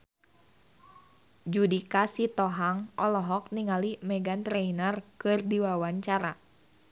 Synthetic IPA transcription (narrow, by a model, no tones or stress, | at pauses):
d͡ʒudikasit̪ɔɦaŋʔɔlɔɦɔk̚niŋalimɛɡant̪ɾɛinərkɨrdiwawaɲt͡ʃaɾa